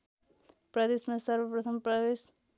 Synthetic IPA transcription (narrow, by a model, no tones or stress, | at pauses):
pɾʌd̪esmasʌɾbʌpɾʌt̪ʰʌmpɾʌdes